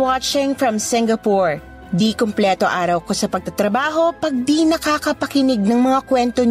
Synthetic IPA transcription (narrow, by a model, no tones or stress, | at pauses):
wat͡ʃɪŋfɹɐmsɪŋɡɐpuɹ | d̪ikomplɛt̪o̞ʔaːɾɐwkosɐpɐɡ̚t̪ɐt̪ɾɐbaːɦo̞pɐɡ̚d̪inɐkakɐpɐkɪnɪɡ̚nɐŋmɐŋakwɛnt̪o